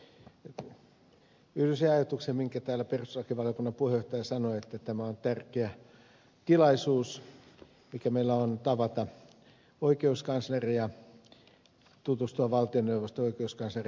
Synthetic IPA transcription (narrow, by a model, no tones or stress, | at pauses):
yhlyseɑjɑt̪uksemmiŋkæt̪æːlæpersrɑkiʋɑlijokunːɑpuhejoht̪ɑjɑsɑnoet̪ːæt̪æmæont̪ærkeæ | t̪ilɑisuːs | mikæmeilːæont̪ɑʋɑt̪ɑ | oikeuskɑnslerijɑ | t̪ut̪ust̪uɑʋɑlt̪ionːeuʋost̪ooikeuskɑnsler